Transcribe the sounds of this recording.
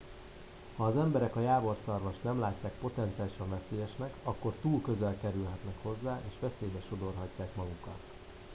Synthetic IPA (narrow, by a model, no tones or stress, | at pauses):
hɒːzɛmbɛɾɛkɒjaːvo̞rsɒrvɒʃt̪nɛmlaːcːaːkpo̞t̪ɛnt̪siaːliʃɒɱvɛseːjɛʃnɛkɒkːo̞rt̪uːlkø̞zɛlkɛɾylɦɛt̪nɛkho̞zːaːʔeːʃʋɛseːjbɛʃo̞d̪o̞rɦɒcːaːkmɒɡukɒt̪